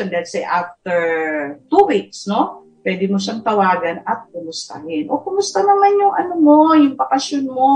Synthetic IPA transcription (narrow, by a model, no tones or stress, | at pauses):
ond̪ɐhɛlsɛjʔaft̪ɛɹt̪uwiksno̞ | pwɛːd̪ɪmoʃɐŋt̪ɐwaːɡɐnɐt̪̚kʊmʊst̪a̰hɪnʔokʊmʊst̪anɐmanjʊŋʔɐnomo̞jʊŋbɐkɐsjonmo̞